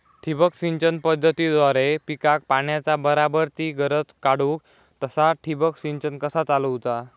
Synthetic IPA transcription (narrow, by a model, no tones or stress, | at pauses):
ʈʰibəksiɲt͡ɕənpəd̪ʱːət̪id̪ʋaɾepikak̚paɳjat͡sabəɾabəɾt̪iːɡəɾət͡skaɽuːk̚ | t̪əsaʈʰibəksiɲt͡ɕənkəsat͡saləwt͡sa